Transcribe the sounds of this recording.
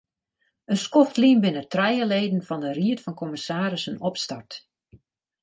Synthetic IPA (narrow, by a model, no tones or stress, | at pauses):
ənskɔftlimbɪnətrɛjəleːdən̩fɔndəriətfɔnkʰɔmɪsaːɾɪsənɔpstart